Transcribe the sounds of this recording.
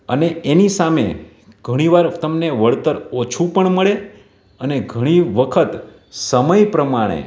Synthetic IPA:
əneenisamḛ | ɡ̥ʱəɽ̃iʋaɾt̪əmneʋəɭt̪əɾot͡ʃʰũpəɳməɭe | əneɡʱəɽ̃iʋəkʰət̪ | səməjpɾəmaɽ̃ḛ

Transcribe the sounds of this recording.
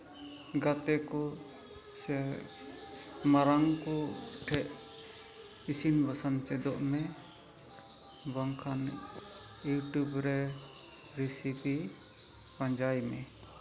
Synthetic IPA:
ɡat̪ɛkɔ | sɛ | maɾaŋkɔʈʰɛʔ | isinbasant͡ʃɛd̪ɔʔmɛ | baŋkʰan | juʈubɾɛ | ɾisipi | paɲd͡ʒajmɛ

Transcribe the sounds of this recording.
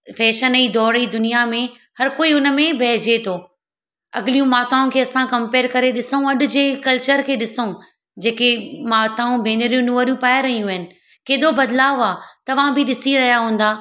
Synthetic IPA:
fɛːʃənid̪ɔːɾid̪ʊnijamẽ | hɐɾkoːiʊnə̆mẽbʱɛːd͡ʑet̪ʰoː | ɐ̰ɠɪlijũmaːt̪aːũkʰeːɐsãkɐ̃mpeːɾkɐɾeɗɪsaũɐɗʊ̆d͡ʑeːkɐlt͡ɕəɾkʰeːɗɪsũ | d͡ʑeːkemaːt̪aːũbʱeːnɪɾijũnuəɾjũpaːjaɾɐɦijũɦɪnɪ̆ | keːɗ̪obɐd̪laːʊaːt̪ɐʋ̤ãbʱɪɗɪsiɾɐɦijaɦũːn̆d̪aː

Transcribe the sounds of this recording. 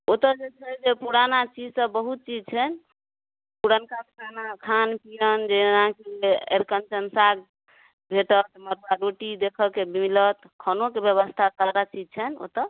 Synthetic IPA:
ot̪əd͡ʒet͡ʃʰɛd͡ʒepuɾanat͡ʃid͡ʒsə̃bəɦut̪̚t͡ʃid͡ʒt͡ʃʰɛn | puɾankakʰanakʰanpijənd͡ʒeɦãkieɾkənt͡ʃənsaɡ | bʱeʈət̪məɾbaɾoʈid̪ekʰəkebimilət̪ | kʰənokebjəβəst̪ʰasaɾat͡ʃid͡ʒt͡ʃʰɛno̰t̪ə

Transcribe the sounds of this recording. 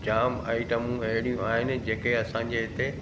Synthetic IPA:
d͡ʑaːma̰ːɪʈəmũɐɦɪɽ̃ijũaːɦɪnɪ̆d͡ʑeːkeɐsãɲd͡ʑeɦɪt̪e

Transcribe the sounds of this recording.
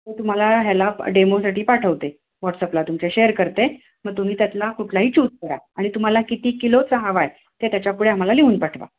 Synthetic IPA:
t̪ət̪um̤alaɦjalaɖemosaʈʰiːpaʈʰəʋt̪e | ʋɔʈsəplat̪umt͡ɕaɕejəɾkəɾt̪e | məɡ̚t̪um̤iːt̪jat̪lakuʈʰlaɦiːt͡ɕuːd͡zkəɾa̰aɽ̃it̪um̤alakit̪iːkilot͡səɦaʋaj | t̪et̪jat͡ɕapuɽeam̤alaliʋuːnpaʈʰʋa̰

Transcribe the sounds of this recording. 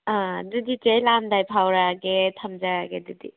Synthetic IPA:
aduditejlamdajpʰawɾaɡetʰamd͡ʒaaɡedɯdi

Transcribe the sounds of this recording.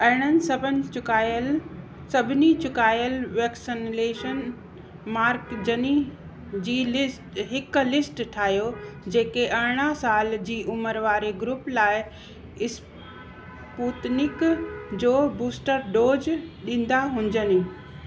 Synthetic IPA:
ɐɦɪɽ̃ənɪ̆sbəʊkːl | sɐbʱɪnit͡ɕʊkaːjəlʋeːksɪnleːʃən | maːɾkd͡ʑəni | d͡ʑiːlɪsʈɦɪklɪsʈʈʰaːɦijod͡ʑeːkeʔɐɽɪɽ̃asaːld͡ʑiːʔʊməɾʋaːɾeɡɾuplaːɪ | ɪs | puːt̪nɪkd͡ʑoːbuːsʈəɾɖoːd͡ʑɗĩːn̆d̪aɦʊ̃ɲd͡ʑəni

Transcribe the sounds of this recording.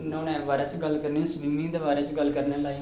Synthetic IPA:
nõːnɛːʋaːɾɛːt͡ʃɡəlkəɾnẽsbimĩːd̪eːʋaːɾɛːt͡ʃɡəlkəɾneːlaːi

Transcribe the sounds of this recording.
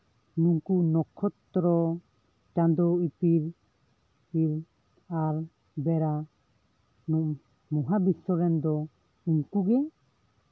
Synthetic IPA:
nuŋkunɔkʰɔt̪ːɾɔ | t͡ʃand̪ɔit̪iɾ | iɾ | aɾ | bɛɾa | nɔ | muɦabisɔɾɛnd̪ɔ | uŋkuɡɛ

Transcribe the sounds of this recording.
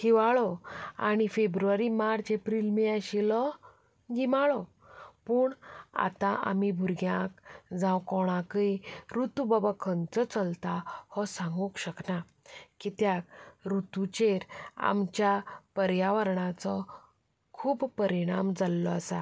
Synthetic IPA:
hiʋaɭɔa̰ɽ̃ifebɾuaɾimaɾt͡sepɾilmiaɕilɔ | ɡimaɭɔ | puːɳa̰t̪ãʔa̰mibʱuɾɡjãkd͡zãwkɔɽ̃ãkiɾut̪ubabakʰənt͡sɔt͡səlt̪ahɔsãŋɡũkɕəkna | kit̪jak̚ɾut̪ut͡ɕeɾa̰mt͡ɕjapəɾjaʋəɾɳat͡sɔ | kʰuːppəɾiɽ̃amd͡zalːɔasa

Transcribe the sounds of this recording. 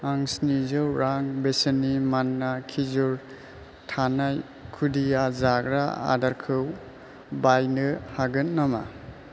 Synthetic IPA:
aŋsnizɯwɾaŋbesenimanːakʰizuɾ | tʰanaj | kʰudijazaɡɾa̰a̰daɾkʰɯw | bajnɯhaɡɯnnama̰

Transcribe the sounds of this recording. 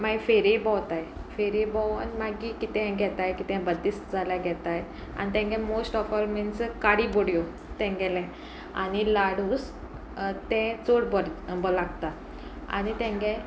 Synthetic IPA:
maifeɾibɔwt̪ajfeɾibɔnmaɡikit̪ɛ̃ɡʱɛt̪ajkit̪ɛ̃bəd̪ist̪d͡zʱaljaɡʱɛt̪aj | a̰nit̪ɛ̃ŋɡɛ̃mosʈɔfalminskaɽiboɽjo | t̪ɛ̃ŋɡɛlɛ̃ | a̰nilaɽ̤uːs | t̪ɛ̃t͡soɽbɔɾbɔlaɡt̪a | a̰nit̪ɛ̃ŋɡɛ̃

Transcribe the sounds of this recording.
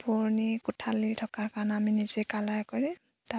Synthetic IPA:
puɹnikʊtʰalitʰɔkaɹkanaminizekalaɹkɔɹi | ta

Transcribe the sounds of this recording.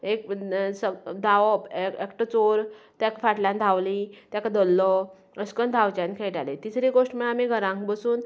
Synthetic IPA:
eksəd̪aʋɔeekʈət͡soɾt̪jakfaʈlãnd̪ʱaʋlĩt̪jakad̪əlːɔ | əskənd̪ʱawt͡ɕãnkʰeʈalet̪isɾiɡoʂʈməamiɡʱəɾãŋkbəsuːn

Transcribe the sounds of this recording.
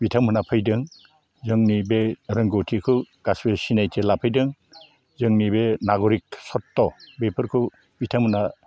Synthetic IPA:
bitʰamɯnapʰɯjdɯŋ | zɯŋnibeɾɯŋɡotʰikʰɯɡ̥asbesinajtʰelapʰɯjdɯŋ | zɯŋnibenaɡɔɾik̚sɔtːɔbepʰɯɾkʰɯ | bitʰamhɯna

